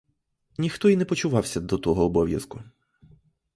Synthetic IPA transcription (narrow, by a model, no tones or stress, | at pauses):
nʲixt̪ɔinɛpɔt͡ʃʊʋɑwsʲɐd̪ɔt̪ɔɦɔːbɔʋʲjɐ̰skʊ